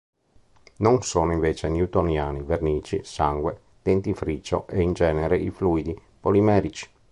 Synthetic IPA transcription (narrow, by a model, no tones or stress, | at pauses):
noŋsoːnoiɱveːt͡ʃenjut̪onjaːniveɾniːt͡ʃḭsaŋɡwe | d̪̥ent̪ifɾit͡ʃːo̰ʔeind͡ʒɛːneɾeʔifluːid̪i | polimɛːɾit͡ʃi̥